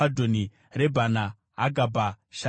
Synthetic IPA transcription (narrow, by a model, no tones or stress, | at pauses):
adʱoni | rebʱanaː | ɡʱabʱa | ʃa